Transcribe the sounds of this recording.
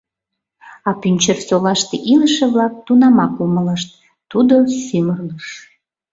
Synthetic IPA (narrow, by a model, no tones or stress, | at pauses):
ɑpynʲt͡ɕərsolɑʃt̪eʔiləʃeβlɑk̚t̪unɑmɑklumələʃt̪̚ | t̪ud̪osymərləʃ